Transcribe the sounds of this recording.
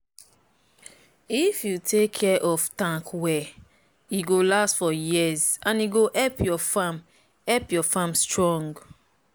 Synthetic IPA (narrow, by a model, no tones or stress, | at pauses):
ifjutʰekʰːɛʔɔftãŋkwɛ | iɡolastfɔjizãniɡoʔɛlpʰjɔfãm | ɛlpjɔfamstɹɔ̃ŋɡ